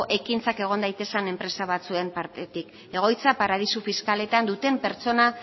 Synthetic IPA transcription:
ʔe̞kint͡sake̞ɣ̞o̞nd̪ajt̪e̞sene̞mpɾe̞saβat͡sue̞mpaɾt̪e̞t̪ik | e̞ɣ̞o̞jt͡sapaɾað̞isufiskale̞t̪and̪ut̪e̞mpe̞ɾt͡so̞na

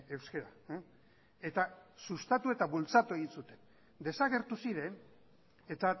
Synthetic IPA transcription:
ewske̞ɾa | e̞t̪asust̪at̪ue̞t̪aβult͡sat̪ue̞ɣinsut̪e̞n | d̪e̞saɣ̞e̞ɾt̪usiɾe̞n | e̞t̪a

